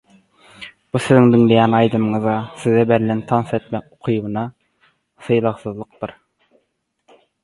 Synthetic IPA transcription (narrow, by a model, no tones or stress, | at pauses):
b̥usiziŋd̪iŋlejæːnɑjd̪ɯmɯɴɯzɑsiðɛbelːent̪ʰɑnse̞t̪mek̚oqʰɯjβɯnɑ | θɯjlˠɑʁsɯðlˠɯq̚d̪ɯɾ